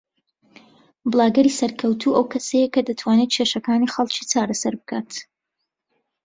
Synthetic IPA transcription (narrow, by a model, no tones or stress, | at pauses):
bɨlˠaːɡɐɾisɐɾkʰɐwt̪ʰuːʔɐwkʰɐsɐjɐkɐd̪ɐt̪ʰwaːnet̪̚t͡ʃʰeʃɐkaːnixɐlˠt͡ʃiːt͡saːɾɐsɐɾbɨkʰaːt̪